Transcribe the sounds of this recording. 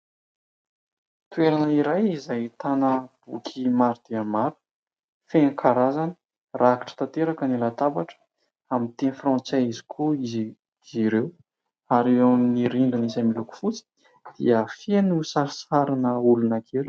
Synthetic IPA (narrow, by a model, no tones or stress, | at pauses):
t̪ueɾanəiɾajizajt̪anəb̥ukʲʰimaɾid̪̥eamaɾu̥ | fenikʰaɾazanə̥ | rʔaki̥ʈ͡ʂə̥t̪at̪eɾakənilat̪abaʈ͡ʂə̥ | amint̪enfrɑ̃nt͡saizi̥kʰuiz | ziɾew | aɾewaminiɾiɳɖ͡ʐinizamiluku̥fut͡si̥ | d̪̥ḭəfenusaɾsaɾinəulunakʰelu̥